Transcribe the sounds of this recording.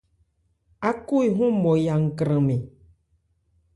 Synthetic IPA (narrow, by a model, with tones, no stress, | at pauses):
a˦ku˦i˨ɦũ˦mɔ̃˨ja˨ŋ̩˨kɾə̃˨mẽ˨